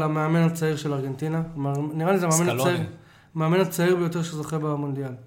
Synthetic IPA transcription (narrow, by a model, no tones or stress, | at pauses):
lameame̞nat͡saiʁʃelaʁɡe̞nt̪inamaniʁalizemeameni | meamenat͡saiʁbejo̞te̞ʁʃezoχebamond̪ijal